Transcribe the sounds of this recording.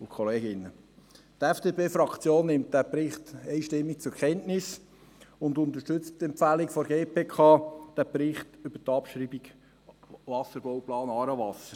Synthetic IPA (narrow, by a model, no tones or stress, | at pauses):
ʊkʰoleːɡɪnːə | tɛfd̥eːpeːfɾɑkt͡sjoːnːɪmt̚d̥æpɾɪχtɛɪʃtɪmːik̚t͡sʊɾkʰɛntnɪs | ʊnd̪ʊnt̪əʃtʏt͡sttːɛmpfælikfɔɾɡeːpʰeːkʰɑːd̥æprɪχtʏb̥ətɑpʃɾiːbiɡ̥ | ʋɑsəɾb̥ɔwplɑːnɑːɾəvɑsəɾ